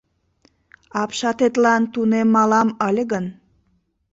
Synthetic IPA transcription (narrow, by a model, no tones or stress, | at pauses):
ɑpʃɑt̪et̪lɑnt̪unemːɑlɑməlʲɣən